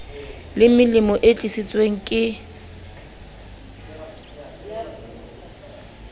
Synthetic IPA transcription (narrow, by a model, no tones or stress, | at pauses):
lɪmɪlɪmɔʔet͡ɬʼisit͡sʼweŋ̩kʼɪ